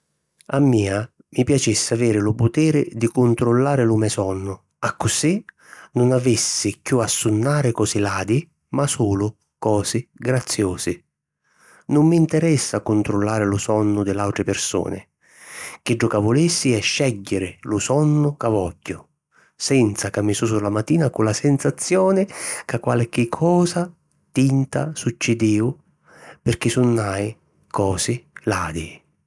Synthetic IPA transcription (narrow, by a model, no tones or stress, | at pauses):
amːiːa | mipjat͡ʃisːɪavɛːɾɪlʊpʊt̪ɛːɾɪd̪ikʊnt̪ɾʊlːaːɾɪlʊmɛsɔnːʊ | akːʊsi | nʊnavisːɪkjuasːʊnːaːɾɪkɔːsilaːd̪i | masuːlʊ | kɔːsɪɡɾat̪sːjɔːsɪ | nʊmːint̪ɛɾɛsːakːʊnt̪ɾʊlːaːɾɪlʊsɔnːʊd̪ɪlawt̪ɾɪpɪrsɔ̰ːnɪ̰ | k̟ɪd͡ʒːʊkavʊlisːiɛʃːɛɟːɪɾɪlʊsɔnːʊkavɔɟːʊ | sɛnt̪sakamːɪsusulːamat̪ːiːnakʊlasɛnsat̪sːjɔːnɪkakːwalk̟ːɪkʰːɔːsa | t̪int̪asut͡ʃːɪd̪iːʊ | pɪrk̟ɪsʊnːaj | kɔːsɪlaːd̪i